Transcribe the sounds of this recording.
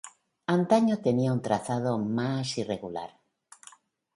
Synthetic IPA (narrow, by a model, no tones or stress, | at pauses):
ant̪aɲot̪eniaunt̪ɾaθaðomasireɣula̰ɾ